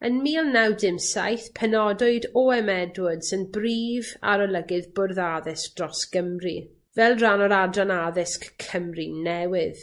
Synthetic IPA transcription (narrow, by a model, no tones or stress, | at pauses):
ənmiːlˠnawdɪmsajθpʰɛnɔdʊɨdɔɛmɛdwʊd̥sɪnbriːva̰ɾɔlˠəɡɪðbʊrðaðɪsk̚d̥rɔsɡ̥əmri | vɛlˠranɔɾadranaðɪskkʰəmrinɛwɪð